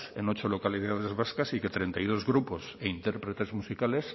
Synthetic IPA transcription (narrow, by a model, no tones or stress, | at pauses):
eno̞t͡ʃolo̞kaliðað̞e̞zβaskasiket̪ɾe̞nt̪ajð̞o̞zɣɾuposeint̪eɾpɾet̪e̞zmusikale̞s